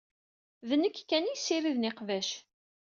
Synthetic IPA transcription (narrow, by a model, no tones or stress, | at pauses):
ðənəkːkːænijsiɾiðnɪqvæʃ